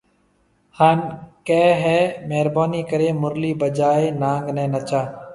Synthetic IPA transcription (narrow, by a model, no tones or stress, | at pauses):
haːnkeːɦɛːmeːɾbaːniːkəɾeːmʊɾliːbəd͡ʒaːeːnãːŋɡnɛ̃ːnət͡ʃaː